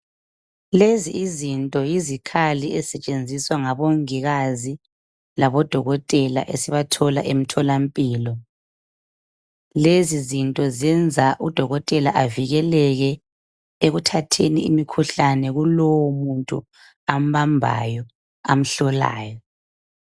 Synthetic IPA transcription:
leziizintʼɔjizikʰaliɛsɛt͡ʃʼend͡zʱiswaŋaβoŋiɣazi | laβɔd̥ʱɔɣɔtʼɛla̰ʔesiβatʰɔla̰ʔem̩tʰɔlampʼiːlɔ | lezizintʼɔzɛnd͡zʱaʔud̥ʱɔɣɔtʼɛlaʔaviɣɛlɛɣɛ | eɣutʰatʰenḭimikʰuɬanɛɣulɔwɔmuntʼṵ | am̩βambʱa̰jɔ | am̩ɬɔla̰ːjɔ

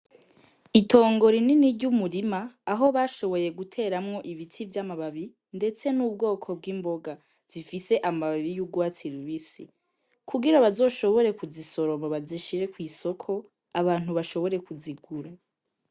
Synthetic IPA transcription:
itʰo̞ːŋɡo̞ɾininiɾɟumuɾimaːɦo̞βaːʃo̞βo̞je̞ɡutʰe̞ːɾamŋo̞ʔiβitʰivjamaβaβi | nde̞t͡se̞nuːb̚ɡo̞ːkʰo̞b̚ɡiːmbo̞ɡa | z̥ifise̞ʔamaβaβijuɡwaːt͡siɾuβisḭ | kʰuɡiɾaβazo̞ːʃo̞βo̞ɾe̞kuziso̞ɾo̞moβaziʃiɾe̞kwiːso̞kʰo̞ | aβaːn̥huβaʃo̞βo̞ɾe̞kuziɡuɾa

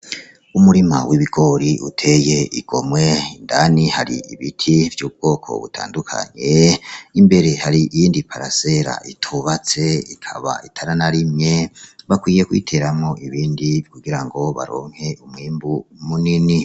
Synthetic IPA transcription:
umuɾima̰wiβiɡ̥o̞ɾiʔutʰe̞jeiɡ̥o̞mwe̞indanihaɾḭiβitʰivjuːb̚ɡ̥o̞ːkʰo̞̰βṵtʰa̰ːndukʰa̰ɲe̞imbe̞ɾe̞haɾiʔijiːndipʰaɾa̰seɾa̰ʔitʰuβat͡se̞ikʰa̰βa̰itʰaɾanaɾimɲeβakwiːje̞kwḭːtʰe̞ɾamŋo̞ʔiβiːndikuɡiɾaŋɡo̞βa̰ɾo̰ːŋ̥he̞ʔumŋiːmbumunini

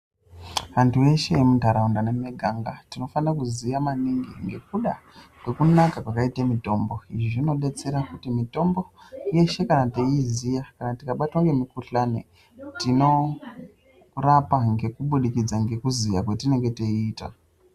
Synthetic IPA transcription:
ʋantʰue̞ʃe̞emutaɾaundanemeɡʱaŋɡatino̞fanakuzijamaniŋɡḭŋɡe̞̰k̚uɗakwe̞kunakakwakaitamito̞mbo̞iʐiʐino̞ɗe̞t͡se̞ɾakutimito̞mbo̞je̞ʃe̞kanateizijakanatikaɓatwaŋɡe̞mikuɬanḛ | tino̞ | rapaŋɡe̞kuɓuɗikid͡zaŋɡe̞kuzijakwetine̞ŋɡe̞teiːta̰

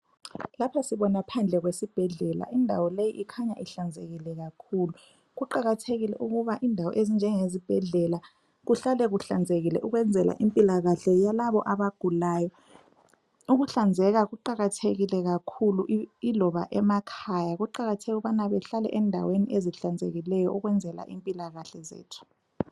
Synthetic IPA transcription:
lapʰasiβɔnapʰand͡ɮʱɛɣwesib̥ʱɛɮɛla̰ʔindʱawɔlejiʔikʰaɲa̰ʔiɬand͡zʱeɣilɛɣakʰulu | ɣuǃaɣatʰeɣilɛ̰ʔuɣuβaʔindʱawɔ̰ʔezind͡ʒʱɛŋezib̥ʱɛɮɛla | ɣuɬalɛɣuɬand͡zʱeɣilɛ̰ʔuɣwɛnd͡zʱɛla̰ʔimpʼilaɣaɬɛjalaβɔ̰ʔaβaɡ̥ʱulaːjɔ | uɣuɬand͡zʱɛɣaɣuǃaɣatʰeɣilɛɣakʰuluʔilɔβaʔɛmakʰajaɣuǃaɣatʰɛɣɣuɓanaβɛɬalɛ̰ʔɛndʱa̰weniʔeziɬand͡zʱḛɣilɛjɔʔuɣwɛnd͡zʱɛla̰ʔimpʼilaɣaɬɛzḛːtʰu̥

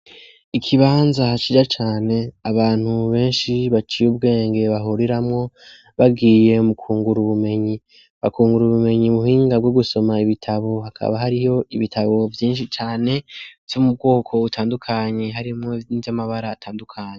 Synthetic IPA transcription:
ikʰiβaːnzat͡ʃid͡ʒat͡ʃaːne̞aβaːn̥huβe̞ːnʃiβat͡ʃijub̚ɡe̞ːŋɡe̞βaɦuɾiɾamŋo̞ | βabɡiːje̞mukʰuːŋɡuɾuβume̞ɲi | βa̰kuːŋɡuɾuβume̞ɲimuhiːŋɡaɡwoɡuso̞maiβitʰaβo̞ɦakʰa̰βaɦaɾijo̞ʔiβitʰaβo̞vjiːnʃit͡ʃaːne̞vjomub̚ɡo̞ːkʰo̞utʰaːndukʰaɲe̞ɦaɾimŋonivjamaβaɾaːtʰaːndukʰaːɲe

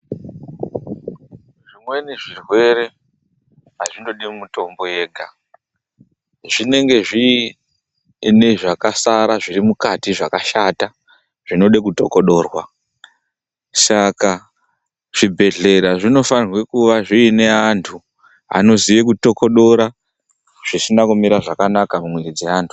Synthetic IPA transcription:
ʐimwe̞niʐirwe̞ɾe̞ | aʐindo̞ɗimuto̞mbo̞je̞ːɡʱa | ʐine̞ŋɡe̞ʐi | ne̞ʐakasaɾaʐirimukatiʐakaʃata | ʐ̥ino̞ɗekuto̞ko̞ɗo̞ːrwa̰ | saka | ʐ̥ibʱe̞ɮe̞ɾaʐino̞fanirwe̞kuʋaʐiːne̞antʰu | a̰no̞ziʋekuto̞ko̞ɗo̞ɾa | ʐ̥isinakumiɾaʐakanakamumweɾid͡ze̞aːntʰu̥

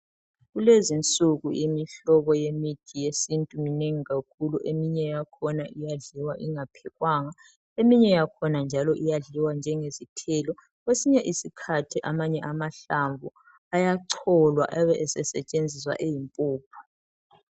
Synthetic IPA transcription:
ɣulezint͡sʼuɣujimiɬɔβɔjemitʰijesintʼumineŋiɣakʰuluʔemiɲɛjakʰɔnaʔijaɮiwaʔiŋapʰɛɣwaːŋa | emiɲɛjakʰɔnand͡ʒʱalɔʔijaɮiwand͡ʒʱɛŋezitʰɛːlɔ | ɣwesiɲɛʔisikʰatʰiʔamaɲɛʔamaɬaɱvu | ajaǀʰɔlwa̰ʔaβɛʔɛsɛsɛt͡ʃʼend͡zʱiswa̰ʔejimpʼuːpʰḁ

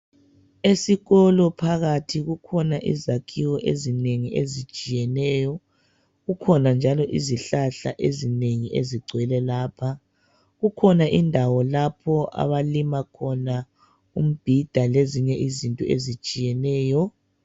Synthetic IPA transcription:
esiɣɔlɔpʰaɣatʰiɣukʰɔnaʔizakʰiwɔʔezineŋiʔezit͡ʃʼijɛnɛːjɔ | ɣukʰɔnand͡ʒʱalɔʔiziɬaɬaʔezineŋiʔeziɡ͡ǀʱwɛlɛlaːpʰa | ɣukʰɔnaʔindʱawɔlapʰɔʔa̰βalimakʰɔna | um̩b̥ʱid̥ʱaleziɲɛʔizintʼɔḛzit͡ʃʼijɛnɛːjɔ

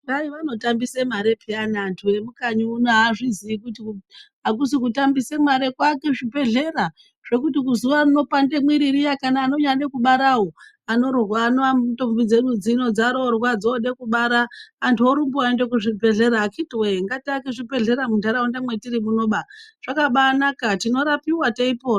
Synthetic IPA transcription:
aiʋano̞tambisemaɾe̞pʰianaːntʰue̞mukaɲuːnaaʐiziikutiɦak̬us̬ikutambise̞maɾe̞kwake̞ʐipe̞ɮe̞ɾa | ʐ̥e̞kutik̬uzuʋaruno̞pande̞mwiɾirijakanaːno̞ɲaɗekuɓaɾaɦo | ano̞rwaːnato̞mbid͡ze̞ɗud͡zino̞d͡zaɾorwad͡zoɗekuɓaɾaːntʰuoɾumbuaendekuʐibʱe̞ɮe̞ɾaːkitweeŋɡatiakeʐipe̞ɮe̞ɾamundaɾaundamwe̞tiɾimuno̞ɓaʐ̥akaɓanakatino̞ɾapiwateipoː

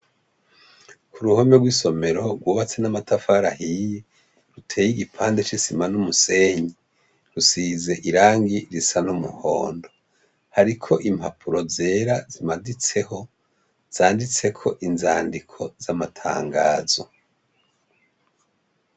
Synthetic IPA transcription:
kuɾuhomeɡwiːso̞me̞ɾo̞ɾɡwuːβat͡se̞namatʰafaɾahije | ɾutʰeːjiɡipʰaːndet͡ʃisimanumuse̞ɲi | ɾusize̞ʔiɾaːŋɡiɾisanumṵho̰ːndo̞ | haɾikʰo̞ʔimpapʰuɾo̞ze̞ːɾazimadit͡se̞ho̞ | z̥aːndit͡se̞kʰo̞ʔinzaːndikʰo̞zamatʰa̰ːŋɡa̰ːzo̞

